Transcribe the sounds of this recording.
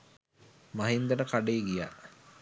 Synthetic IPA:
maɦind̪əʈəkaɖeːɡija̰

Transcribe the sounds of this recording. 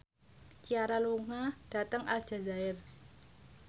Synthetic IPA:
t͡ʃiaɾaluŋad̥a̤t̪əŋa̰ld̥ʒ̥a̤zaɪr

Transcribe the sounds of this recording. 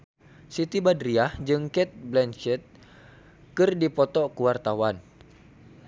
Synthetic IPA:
sit̪ibadɾiahd͡ʒɨŋkɛt̪̚blɛnt͡ʃɛt̪̚ | kɨrdipɔt̪ɔkuwart̪awan

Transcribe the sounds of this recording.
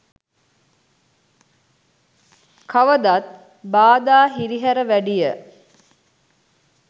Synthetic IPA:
kaʋəd̪at̪̚ | baːd̪aːɦiɾiɦæɾəʋæɖijə

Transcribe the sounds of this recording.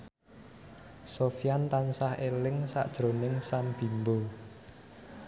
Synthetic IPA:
sofijant̪ansahelɪŋsa̰ʔd̥ʒ̥ɾo̤nɪŋsamb̥i̤mbo

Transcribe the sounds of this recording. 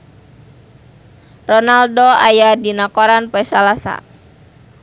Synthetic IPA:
rɔnaldoajadinakɔɾanpɔɛsalasa̰

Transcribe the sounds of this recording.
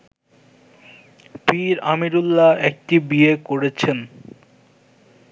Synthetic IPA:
fiɾamiɾulːaɛk̚ʈibiekoɾet͡ɕʰen

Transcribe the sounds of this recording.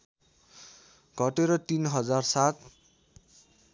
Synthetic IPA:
ɡʱʌʈeɾʌt̪inɦʌd͡zarsat̪̚

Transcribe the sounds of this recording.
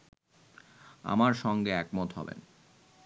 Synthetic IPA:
a̰maɾʃɔŋɡeɛkmot̪ɦɔ̰bḛn

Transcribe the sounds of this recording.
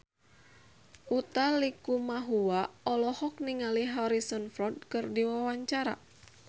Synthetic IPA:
ut̪alikumaɦuwaɔlɔhɔk̚niŋaliɦɔɾisɔnfɾɔd̚kɨrdiwawaɲt͡ʃaɾa̰

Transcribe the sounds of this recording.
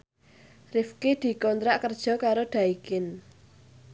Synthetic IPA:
rɪfked̪̥i̤kɔnt̪ɾaʔkərd̥ʒ̥ɔ̤kaɾoɖ̪̥ä̤ikɪn

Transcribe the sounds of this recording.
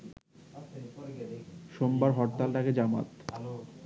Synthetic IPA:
ʃombaɾɦɔʈ̚t̪alʈaked͡ʑama̰t̪

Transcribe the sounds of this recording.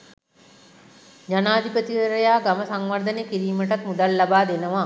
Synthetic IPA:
d͡ʒanaːd̪ʱipət̪iʋəɾəjaːɡaməsaŋʋaɾd̪ənejkiɾiːməʈat̪mud̪alːabaːd̪enəʋa

